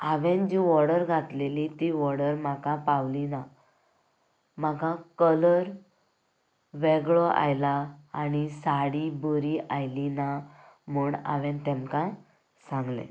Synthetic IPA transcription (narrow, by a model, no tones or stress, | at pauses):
aʋẽnd͡ʑiʋɔɾɽəɾɡʱat̪lelit̪iʋɔɾɽəɾmakãpawlina | m̤akãkələɾ | ʋɛɡɭɔʔa̰jlaːñisaɽibuɾiʔajlina | muːɳa̰ʋɛ̃nt̪ɛmkã | sãŋɡlḛ